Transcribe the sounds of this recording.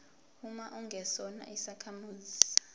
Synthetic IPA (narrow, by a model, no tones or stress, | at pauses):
umaʔuŋɡʱɛsɔna̰ʔisakʰamuːzi